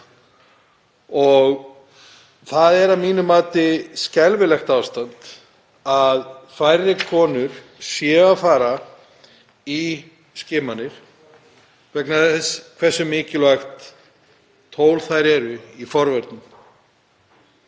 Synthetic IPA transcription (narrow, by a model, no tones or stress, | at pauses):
ɔɣ | θaðɛɾamiːnʏmaːt̪ɪscɛlvɪlɛxt̪aːwst̪ant̪ | aðfajɾːɪkʰɔːnʏɾ̥ | sjɛːafaːɾa | i | scɪːmanːɪɾ̥ | vɛknaθɛskʰvɛɾ̥sʏmɪːcɪlvaxt̪ | oːwlθajɾɛɾʏifɔɾvɛɾt̪nʏm